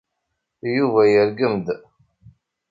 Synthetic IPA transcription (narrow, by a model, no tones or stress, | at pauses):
juvæjəɾɡəmd̪